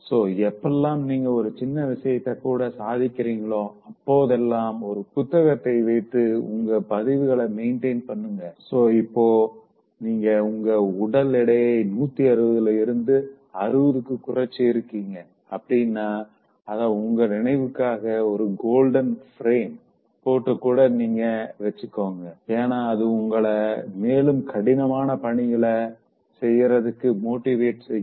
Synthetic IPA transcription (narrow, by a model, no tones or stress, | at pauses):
soːɛpːɛlːaːmniːŋɡɐɔɾɯt͡ʃɪnːɐʋɪʂɐjɐt̪ːɐkːuːɽɐsaːðɪkʲːɪɾiːŋɡɐɭõːɐpːoːðɛlːaːmɔɾɯpʊt̪ːɐɣɐt̪ːɐɪʋɐɪt̪ːɯʊ̰ŋɡɐpɐðɪʋɯɣɐɭɐmeɪɳʈeɪnpɐɳːɯŋɡɐsoːɪpːoː | niːŋɡɐʊŋɡɐʊɽɐlɪɽɐjenuːt̪ːiɐɾɯʋɐðɐlɐɪɾɯnd̪ɯ | ɐɾɯʋɐðɯkːɯkːʊrɐt͡ʃːɯɪɾɯkːiːŋɡɐ | ɐpːɐɽɪjnːaː | ɐðãːʊŋɡɐnɪnɐɪʋɯkːaːɣɐɔɾɯɡoːlɖɐnfɾeːm | poːʈːɐkːuːɽɐniːŋɡɐʋɛt͡ʃːɯkːoːŋɡɐeːnaːɐðɯʊŋɡɐɭɐmeːlɯmkʰɐɽɪnɐmaːnɐpɐɳɪjɪɭɐ | sɛjːɾɐðɯkːɯmoːʈːɪʋeːʈsɛj